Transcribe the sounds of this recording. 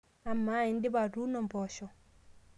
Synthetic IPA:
amːaindibadunɔmbɔːʃɔ

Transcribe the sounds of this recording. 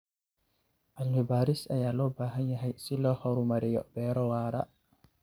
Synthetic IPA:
ʔalmibaːɾisɐjaːlɔːbaːɦɐnjɐɦɛjsilɔːhɔɾumɐɾɛjɔ̰b̥ɛːɾɔwaːɾa̰

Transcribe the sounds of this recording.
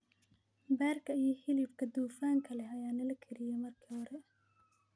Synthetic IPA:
baːrkʰɐijɔhɪlibkʰɐd̪uːfaːŋkʰɐlɛɐjaːnɐlɐkʰɛɾɪjɛmɐrkʰiːhɔɾɛ

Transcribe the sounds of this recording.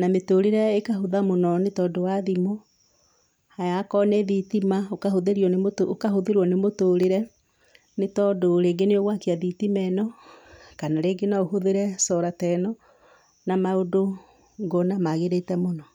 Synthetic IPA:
nametoɾeɾɛekaɦoðamonɔnetɔːdowaðimo | hajakɔnɛðitimaokahoðeɾiɔnemotookahoðeɾɔnemotoɾeɾɛ | netɔdoɾeːŋɡeneoɣwakeaðitimɛnɔkanaɾeːɡenaohoðeɾɛsɔɾatɛnɔ | namaodo | ŋɡɔnamaɣeɾetɛmonɔ

